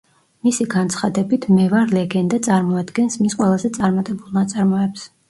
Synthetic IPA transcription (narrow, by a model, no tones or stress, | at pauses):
misiɡant̪sʰχad̪ɛbit̪ʰmɛvaɾlɛɡɛnd̪at̪sʼaɾmɔad̪ɡɛnsmisqʼwɛlˠazɛt̪sʼaɾmat̪ʼɛbulˠnat̪sʼaɾmɔɛps